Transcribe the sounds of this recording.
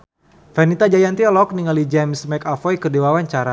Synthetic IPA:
fanit̪ad͡ʒajant̪iɔlɔk̚niŋalid͡ʒɛmsmɛkafɔjkədewawaɲt͡ʃaɾa

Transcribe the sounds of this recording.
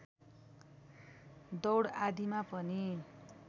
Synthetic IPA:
d̪ʌwɽad̪imapʌni

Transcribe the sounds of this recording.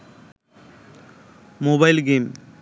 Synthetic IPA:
moːbaɪlɡeːm

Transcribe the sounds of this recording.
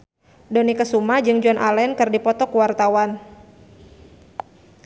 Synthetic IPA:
dɔnikəsumad͡ʒɨŋd͡ʒɔnʔa̰lɛnkɨrdipɔt̪ɔkuwart̪awan

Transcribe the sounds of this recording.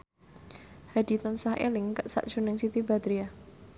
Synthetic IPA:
hadi̤t̪ansahʔḛlɪŋkəʔsa̰ʔʒ̥unɪŋsit̪ibad̪ɾia

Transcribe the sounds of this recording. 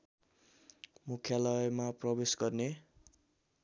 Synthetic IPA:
mukʰjalʌmaprʌbesɡʌrne

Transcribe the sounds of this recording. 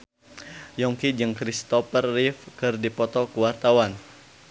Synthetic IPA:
jɔŋkid͡ʒɨŋkɾist̪ɔfərːifkɨrdipɔt̪ɔkuwart̪awan

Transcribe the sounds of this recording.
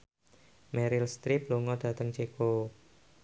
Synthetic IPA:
mɛɾɪlst̪ɾip̚loŋɔd̥ä̤t̪əŋt͡ʃeko

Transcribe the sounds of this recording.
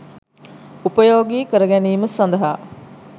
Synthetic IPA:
upɐjoːɡiːkəɾəɡæniːmɐsɐnd̪ɐɦaː

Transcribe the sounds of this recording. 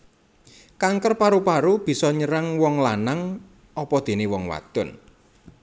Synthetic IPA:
kaŋkərpaɾupaɾub̥i̤sɔɲəɾaŋwɔŋlanaŋ | ʔɔpɔd̪̥e̤newɔŋwa̰t̪ʊn

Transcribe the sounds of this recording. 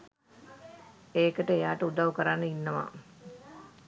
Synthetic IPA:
eːkəʈəejaːʈəud̪aʋukəɾanːəinːəʋa̰

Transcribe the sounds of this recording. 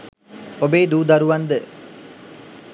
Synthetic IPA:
obeːd̪uːd̪ɐɾuʋɐnd̪ə

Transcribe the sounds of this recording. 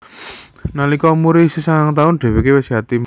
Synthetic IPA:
nalikɔmuɾisisaŋaŋt̪aʊnɖ̪̥e̤wekewɪsɦa̤t̪im

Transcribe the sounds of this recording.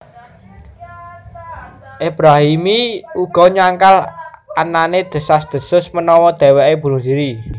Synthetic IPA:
ʔeb̥ɾaɦimiuɡ̥ɔ̤ɲaŋkalʔananed̪̥ə̤sasd̪̥ə̤sʊsmənɔwɔd̪̥e̤wɛʔeb̥ṳnusiɾi

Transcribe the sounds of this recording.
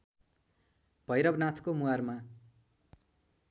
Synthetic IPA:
b̥ʱʌjɾʌbnat̪ʰkomuarma

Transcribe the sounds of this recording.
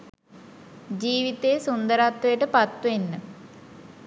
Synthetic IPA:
d͡ʑiːʋit̪ːesund̪ɐɾaːt̪ʋɐjʈɨpɐt̪ːuenːɨ

